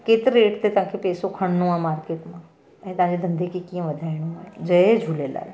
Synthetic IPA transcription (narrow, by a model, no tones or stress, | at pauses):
keːt̪ːɾeːʈt̪et̪ɐɦãkʰepeːsokʰɐɽ̃nũãːmaːɾkeːʈmã | ɛ̃ːt̪ɐʋ̤ɦãd͡ʑed̪ɐ̃nd̪ekʰekiːə̃ʋɐd̪ʱaːiɽ̃ũaːd͡ʑɐed͡ʒʱuleːla̰ːl